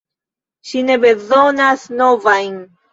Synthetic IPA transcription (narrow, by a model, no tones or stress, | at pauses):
ʃine̞be̞zo̞nasnovajn